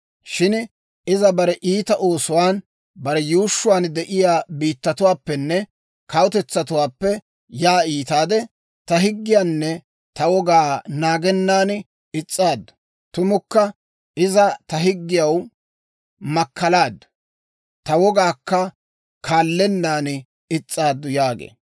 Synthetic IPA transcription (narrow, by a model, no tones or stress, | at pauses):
ʃɪn | ɪzɐbɐɾɛʔiːt̪ɐʔo̞ːsʊwaːn | bɐɾɛjuːʃːʊwaːnd̪ɛʔɪjaːbiːt̪ːɐt̪ʊwaːpːɛnːɛ | kɐwʊt̪ɛt͡sːɐt̪ʊwaːpːɛ | jaːiːt̪aːd̪ɛ | t̪ɐɦɪɡːɪjaːnːɛ | t̪ɐwɔɡaːnaːɡɛnːaːn | ɪt͡sʼːaːd̪ | t̪ʊmʊkːɐ | ʔɪzɐt̪ɐɦɪɡːɪjɐw | mɐkːɐlaːd̪ | t̪ɐwɔɡaːkːɐ | kʰaːlːɛnːaːn | ɪt͡sʼːaːd̪ːʊjaːɡḛː